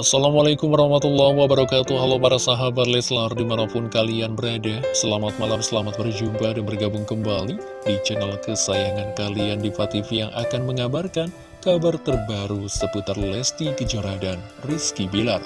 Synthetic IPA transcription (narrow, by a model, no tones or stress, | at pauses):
ʔasːalamalakʊmwaɾɑhmat̪ulːahwabəɾakat̪uɦalɔpaɾasaɦabat̪lɛslardimanapʊnkalianbəɾadɛhsəlamat̪̚malamsəlamat̪̚bərd͡ʒumpadanbərɡabʊŋkəmbali | dit͡ʃɛnəlkəsajaŋankaliandifat̪ifijaŋʔa̰kanməŋabarkan | kabart̪ərbaɾusəput̪arlɛst̪ikəd͡ʒoɾadanriskibilar